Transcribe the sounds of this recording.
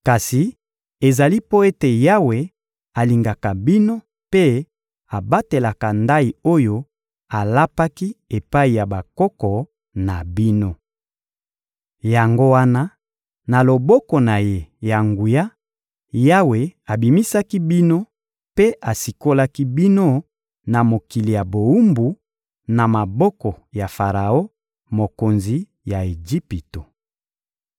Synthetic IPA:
ka˨si˨ | e˨za˨li˦po˦e˦te˨ja˦we˨ | a˨li˨ŋɡa˨ka˨bi˦no˦ | pe˦ | a˨ba˦te˨la˨ka˨nda˦i˨o˦jo˦ | a˨la˦pa˦ki˦e˨pa˦i˨ja˨ba˨kɔ˦kɔ˨ | na˨bi˦no˦ | ja˨ŋɡo˦wa˦na˦ | na˨lo˨bɔ˦kɔ˨na˨je˦ja˨ŋɡu˨ja˦ | ja˦we˨a˨bi˨mi˦sa˦ki˦bi˦no˦ | pe˦ʔa˨si˨ko˦la˦ki˦bi˦no˦ | na˨mo˨ki˨li˨ja˨bo˨u˦mbu˨ | na˨ma˨bɔ˦kɔ˨ | ja˨fa˨ʁa˨o˦ | mo˨ko˨nzi˨ | ja˨e˨d͡ʒi˦pi˨to˨

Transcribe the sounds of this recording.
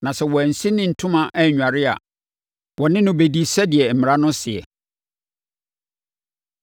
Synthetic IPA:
nã˨sɛ˨wɔ˨æ˨n̩˨si˦nɪ̃˦n̩˨tʰʊ̃˦mã˨ʔɛ˦˨ɲᶣ˨a˨ɾɪ˦a̰˨ | wɔ˨nɪ̃˦nʊ̃˦be˨di˦sɛ˦dɪ˨ɛ˨m̩˨mɪ̃˨ɾa˦nʊ̃˦sɪ˨ɛ̰˨

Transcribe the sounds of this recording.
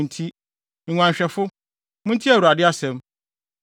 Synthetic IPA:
n̩˨tʰĩ˦˨ | ɲã˨ɲ˨ɕᶣɛ˨fʊ˦ | mʊ̃˦n˦tʰi˦æ˨wa˨dɪ˦a˦sɛ̃˨m

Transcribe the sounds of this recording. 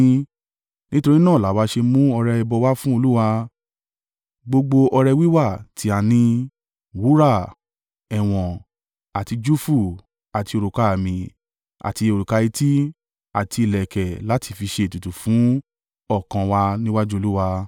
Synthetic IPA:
nĩ˦to˧ɾi˦nãː˦˨la˨˦wa˧˦ʃe˧mũ˦ɔ˧ɾɛ˧ɛ˧bɔ˧wa˦fũ˦o˧lu˦wa˧ | ɡ͡bo˧ɡ͡bo˧ʔɔ˧ɾɛ˧wi˦wa˦˨tʰi˨˦a˨nĩ˧ | wu˨˦ɾa˦˨ | ɛ˨w̃ɔ̃˨ | a˨ti˧d͡ʒu˦fu˦˨ | a˨ti˧o˧ɾu˨ka˨mĩ˨ | a̰˨ti˧o˧˨ɾu˨ka˧i˧ti˦ | a˨ti˧i˨lɛ˨kɛ˨la˨˦tʰi˧fi˧ʃe˧˨tu˨tu˨fũ˨˦ | ɔ˦˨kã˧wa˧nĩ˦wa˦d͡ʒu˦o˧lu˦wa˧

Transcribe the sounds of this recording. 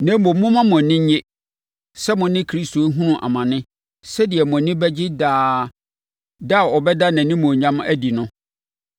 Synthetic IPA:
nɛ̃˦m˦o˨m˦mʊ̃˦mã˦mʊ̃˨nɪ̃˦ɲ˦ɲe˦ | sɛ˦mʊ̃˨nɪ̃˦kʰɾi˦sto˨˦ɦũ˦nʊ̃˨ʔa̰˨mã˨nɪ̃˦ | sɛ˦dɪ˨ɛ˨mʊ̃˨˦nɪ̃˦bɛ˦d͡ʑɪ˦daː˦ | da˦˨ɔ˨bɛ˦da˦nã˨nɪ̃˦mʊ̃˨ɲã˦mæ˦di˨nʊ̃˦

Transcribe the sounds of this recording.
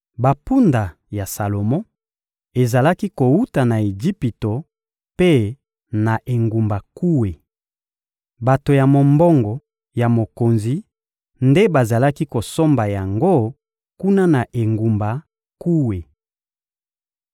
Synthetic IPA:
ba˨pu˦nda˨ | ja˨sa˨lo˨mɔ̃˦ | e˨za˨la˦ki˦ko˨u˦ta˨na˨e˨d͡ʒi˦pi˨to˨ | pe˦ | na˨ʔe˨ŋɡu˨mba˨ku˦we˨ | ba˨to˨ja˨mo˨mbɔ˦ŋɡɔ˨ | ja˨mo˨ko˨nzi˨ | nde˦ba˨za˨la˦ki˦ko˨so˦mba˨ja˨ŋɡo˦ | ku˦na˦na˨ʔe˨ŋɡu˨mba˨ | ku˦we˨

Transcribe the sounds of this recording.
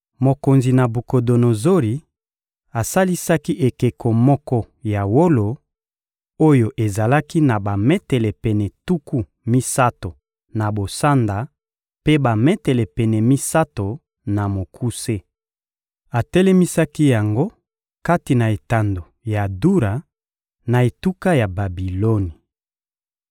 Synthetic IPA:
mo˨ko˨nzi˨na˨bu˨ko˨do˨no˨zo˦ɾi˨ | a˨sa˦li˦sa˦ki˦ʔe˨ke˨ko˨mɔ˦kɔ˦ | ja˨wo˦lo˨ | o˦jo˨ʔe˨za˨la˦ki˦na˨ba˨mɛ˦tɛ˨lɛ˨pɛ˨nɛ˨tu˦ku˦ | mi˦sa˦to˨ | na˨bo˨sa˦nda˨ | pe˦ba˨mɛ˦tɛ˨lɛ˨pɛ˨nɛ˨mi˦sa˦to˨ | na˨mo˨kʰu˦se˦ | a˨tɛ˦lɛ˦mi˦sa˦ki˦ja˨ŋɡo˦ | ka˦ti˨na˨e˨ta˨ndo˨ | ja˨du˦ɾa˨ | na˨e˨tu˦ka˦ja˨ba˨bi˨lo˦ni˨

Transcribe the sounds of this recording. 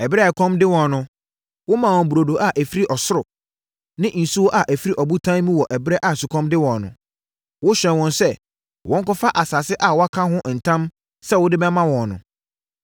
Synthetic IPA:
ɛ˨bɪ˦ɾɛ˦˨ɛ˨kʰɔ̃˦mdɪ˦wɔ̃˨nʊ̃˨ | wʊ˦mã˨wɔ̃˨m˨bu˨ɾo˨do˨ʔa˨ʔæ˨fi˦ɾi˦ʔɔ˨sʊ˦ɾʊ˨ | nɪ̃˦ʔn̩˨su˦wɔ˦ʔa˨ʔæ˨fi˦ɾi˦ʔɔ˨bu˦tʰãː˦mĩ˦wɔ˨ʔɛ˨bɪ˦ɾɛ˦ʔa˨sʊ˨kʰɔ̃˦mdɪ˦wɔ̃˨nʊ̰̃˨ | wʊ˦ɕᶣɛ̃˨nwɔ̃˨nsɛ˦ | wʔɔ̃˦ŋ˦kɔ˦fa˦ʔa˨sa˨sɪ˦ʔa˨wɔ˦a˦kʰã˦ɦʊ̃˦˨n̩˨tʰã˦m | sɛ˦wʊ˦dɪ˦bɛ˦mã˦wɔ̃˨nnʊ̰̃˨

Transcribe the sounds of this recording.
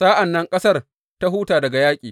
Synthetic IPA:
saː˦ʔa˨nːɐ˦ŋkʼɐ˦sɐ˦r | ta˦ɦuː˦taː˨dɐ˨ɡa˨jaː˦kʲʼḭː˨

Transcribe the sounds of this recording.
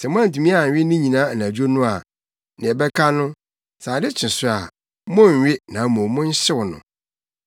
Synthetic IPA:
sɛ˨mʊ̃˦ã˦n˨tʰũ˨mĩ˦a˨ɥᶣɪ˦nɪ̃˦ɲĩ˨nãː˦˨nã˨d͡ʑᶣo˦nʊ̃˦a˨ | nɪ̃˨ɛ˨bɛ˦kʰa˦nʊ̃˦ | saː˨dɪ˦t͡ɕʰɪ̃˨sʊ˦a˨ | mʊ̃˦ɲ˨ɥɪ˦nã˨˦mõ˨˦mʊ̃˦ɲ̩˦ɕɪ˦wnʊ̰̃˨

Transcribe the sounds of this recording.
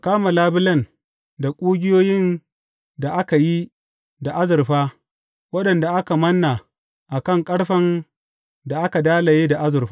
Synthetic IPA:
kaː˦ma˨laː˦bɪ˦lɐ˦˨n | da˨kʷʼuː˦ɡʲɪ˦joː˦jɪ˦n | da˨ʔa˦ka˨ji˦ | da˨ʔa˦zʊ˨ɾɸaː˦ | wɐ˦ɗɐ˨nda˨ʔa˦ka˨mɐ˦nːa˨ | ʔa˨kɐ˦˨ŋkʼɐ˦ɽɸɐ˦n | da˨ʔa˦ka˨daː˦la˨jeː˦da˨ʔa˦zʊ˨ɸa˦

